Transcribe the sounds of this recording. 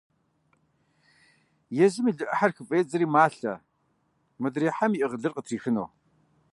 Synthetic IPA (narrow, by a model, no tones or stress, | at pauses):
jɛzɨmiːɮɨʔɐħarxɨpʼeːt͡sʼɐɾiːmaːɬɐ̰ | mɨdɾiːħamiʔɨʁəɮɨrqʼətʰriːxɨno̰ː